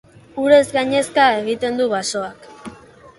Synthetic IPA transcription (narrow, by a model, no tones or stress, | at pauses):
uɾe̞zɡaɲe̞skae̞ɣ̞it̪e̞nd̪uβaso̞ak